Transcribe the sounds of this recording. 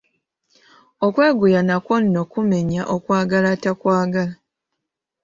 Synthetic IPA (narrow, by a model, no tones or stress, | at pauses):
o̞kwe̞ːɡujanakwo̞nːo̞kume̞ɲaʔokwaːɡalatakwaːɡala